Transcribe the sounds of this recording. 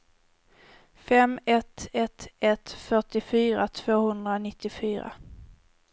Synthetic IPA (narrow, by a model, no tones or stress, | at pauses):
fɛmɛt̪ɛt̪ɛt̪fœʈɪfyːɾat̪ʰv̥oːhɵnd̪ɾanɪt̪ːɪfyːɾa̰